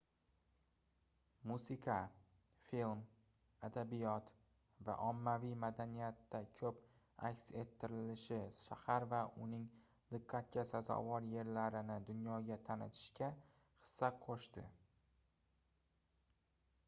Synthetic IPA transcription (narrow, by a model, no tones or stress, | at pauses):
musɪqʰɑ | film | ad̪abijɒt̪ | va̰ʔɒmːavijmad̪anijat̪ːakʲʰɵp | a̰kʲse̞t̪ʰːɪɾɪlɪʃɪʃahaɾvaʔʊnɪŋ | d̪ɨqʰːat̪̚kʲasazɒ̰vɒɾje̞ɾlaɾɪnɪd̪ʊnjɒɡʲat̪ʰanɪ̰t̪ʰɪ̥ʃkʲa | χɨ̥sːaqʰoʃt̪ɪ